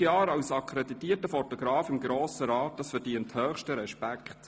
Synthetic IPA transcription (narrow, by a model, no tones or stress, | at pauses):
jɑːɾɑwsɑkʰɾeditiətəfɔtɔɡ̥ɾɑːfɪmɡɾoːsəɾɑːt̚d̥ɑsfəɾd̥iənthœːχʃtəɾɛʃpækχt